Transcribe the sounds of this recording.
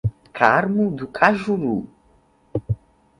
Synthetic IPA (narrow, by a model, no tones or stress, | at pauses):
kʰaɾmud̪ukʰaʒuɾu